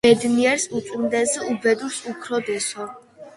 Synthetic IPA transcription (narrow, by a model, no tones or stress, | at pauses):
ɛd̪niɛɾsut͡ʃ̪ʼind̪ɛzɛubɛd̪uɾsupʰɾɔd̪ɛsɔ